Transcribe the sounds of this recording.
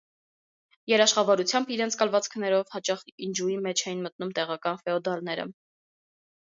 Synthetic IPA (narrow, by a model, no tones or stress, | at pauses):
jɛɾɑʃχɑvɑɾut͡sʰjɑmbiɾɛnt͡sʰkɑlvɑt͡skʰnɛɾɔvhɑt͡ʃɑχind͡ʒuimɛt͡ʃʰɛjinmət̪numt̪ɛʁɑkɑnfɛɔd̪ɑlnɛɾə̰